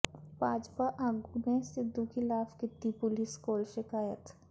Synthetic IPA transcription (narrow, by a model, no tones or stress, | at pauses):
b̥aːd͡ʒpaʔaːɡunẽsɪd̪ʱːukɪlaːfkɪt̪ːipʊlɪskoːlʃɪkaːjət̪